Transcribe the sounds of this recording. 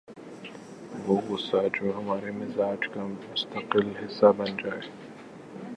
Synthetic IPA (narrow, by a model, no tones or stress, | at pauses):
ʋoːɡʊsad͡ʒoːɦɐmaːɾemɪzaːd͡ʒkamʊst̪əqɪlɦɪsːabɐnd͡ʒaːeː